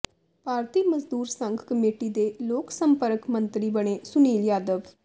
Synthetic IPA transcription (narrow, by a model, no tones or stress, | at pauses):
paːɾt̪iːməzd̪uːɾsəŋɡkəmeːʈiːd̪eːloːksəmpəɾəkmə̃nt̪ɾiːbəɽ̃eːsʊniːljaːd̪əʋ